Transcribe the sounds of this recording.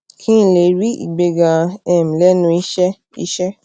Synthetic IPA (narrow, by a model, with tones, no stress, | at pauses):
kʰĩ˦n̩˦˧˨le˨ɾi˦ḭ˨ɡ͡be˧ɡã˧ɛ˨m̩̃˨lɛ˦nũ˧˦i˦ʃɛ˦ | i˦ʃɛ˦